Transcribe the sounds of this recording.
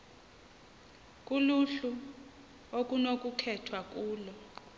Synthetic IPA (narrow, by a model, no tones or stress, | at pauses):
kʼuluɬu | ok̬ʼunok̬ʼukʰɛtʰwak̬ʼuːlɔ